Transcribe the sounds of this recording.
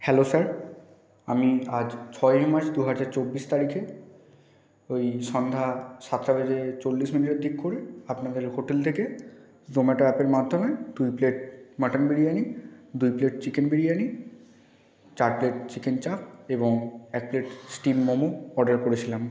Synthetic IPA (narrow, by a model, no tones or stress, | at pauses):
hɛlosaɾ | a̰miad͡ʑt͡ɕʰɔemaɾt͡ɕd̪uɦad͡ʑaɾt͡ɕobːiʃt̪aɾikʰe | ojʃɔnd̪ʱasat̪ːɾabed͡ʑet͡ɕolːiʃminiʈed̪ikkoɾeapnad̪eɾɦoʈelt̪ʰeke | d̪omɛʈaɛpeɾmad̪ʱːomed̪ujpleʈ̚maʈanbiɽianid̪ujpleʈ̚t͡ɕikenbiɽieani | t͡ɕaɾpleʈt͡ɕikent͡ɕak̚eboŋɛk̚pleʈsʈimːomoɔɾɖaɾkoɾet͡ɕʰilam